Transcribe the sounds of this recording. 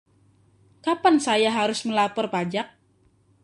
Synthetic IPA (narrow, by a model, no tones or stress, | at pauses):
kapansajaɦaɾʊsməlapɔrpad͡ʒak̚